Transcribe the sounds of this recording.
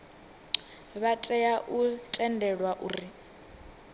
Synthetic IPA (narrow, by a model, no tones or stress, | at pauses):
βatʼɛjaʔutʼɛndɛɺwaʔuːri